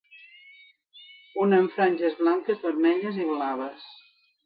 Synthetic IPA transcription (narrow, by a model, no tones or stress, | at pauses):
unəːɱfɾaɲʲʒəzβlaŋkəzβəɾmɛʎəziβlaβəs